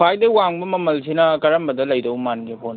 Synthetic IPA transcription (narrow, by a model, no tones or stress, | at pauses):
pʰajdɐwaŋbɐmɐmɐlsʰinɐkɐɾɐmbɐdɐlɐjdɐwmanɡepʰon